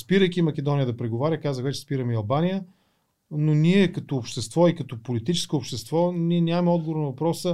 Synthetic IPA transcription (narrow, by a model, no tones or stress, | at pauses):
spiɾəjkʲimɐkʲɛd̪ɔnijəd̪ɐpɾɛɡovaɾʲjəkazəxvɛt͡ʃɛspiɾəmiɐlˠbanijə | noniɛkɐt̪oːpʃt̪ɛst̪vɔikət̪ɔpolit̪it͡ʃɛ̥skoːpʃt̪ɛst̪vɔniɛnʲjavɐmɛɔd̪ɡovoɾnvɐpɾɔsə